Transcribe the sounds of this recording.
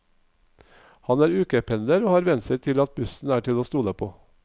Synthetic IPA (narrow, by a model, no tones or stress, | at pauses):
hɑnæːɾʉːkəpʰɛnd̪əɾoːhɑːɾʋɛnsəɾt̪ʰɪlɑt̪̚bʉsn̩æːʈʰɪloːst̪uːləpʰo̰ː